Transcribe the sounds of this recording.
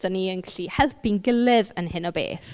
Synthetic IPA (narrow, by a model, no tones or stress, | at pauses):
aniənɡɛɬihɛlˠpinɡəlɪðənhɨnɔbḛːθ